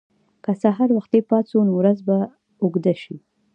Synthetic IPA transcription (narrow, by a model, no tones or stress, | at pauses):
kasaɦaɾwaxt̪̚epɑt͡sonwɾazba | oɡd̪aʃi